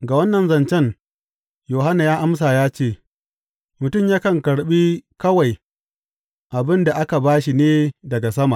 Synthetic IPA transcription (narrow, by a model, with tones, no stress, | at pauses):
ɡa˨wɐ˦nːɐ˨nzɐ˨nt͡ʃɛ˦ŋ | joː˨ha˦na˨jaː˦ʔa˦ms̬aː˨jaː˦t͡ʃeː˦˨ | mʊ˨tʊ˦˨mjaː˦kɐ˨ŋkɐ˨ɽɓi˦kɐ˦wa˨j | ʔa˨bɪ˦nda˨ʔa˦ka˨baː˦ʃi˨neː˦dɐ˨ɡa˨sɐ˦ma˨ʔ